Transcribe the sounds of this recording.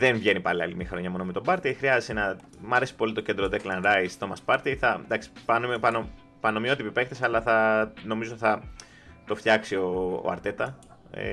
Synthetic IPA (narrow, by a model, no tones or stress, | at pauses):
ðenvʝe̞nipɐliɐ̰limiɐxɾo̞ɲɐmo̞nomet̪o̞bɐɾt̪ixɾiɐzesenɐ | mɐɾe̞si̥po̞lit̪o̞ce̞nd̪ɾod̪eklɐnɾɐjst̪o̞mɐspɐɾt̪iθɐd̪ɐksi̥pɐnompɐno | pɐnomio̞t̪ipipekt̪esɐlɐθɐno̞mizot̪iθɐ | t̪o̞ft̪çɐksio̰ɐ̰ɾt̪e̞t̪ɐ̰